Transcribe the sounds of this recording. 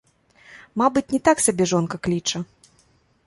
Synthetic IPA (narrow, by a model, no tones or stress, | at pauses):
mabɨt͡sʲnʲɛt̪aksʲabʲɛʐɔnkɐklʲit͡ʂɐ